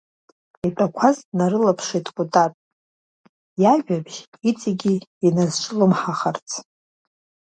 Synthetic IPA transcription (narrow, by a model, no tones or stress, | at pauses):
itʼakʷʰaznaɾɨlapʰʂejtʼkʷʼutʼatʼ | jaʒᶣabʒ | it͡sʼiɡʲiinazt͡ʃʷʼɨlɨmħaχart͡sʰ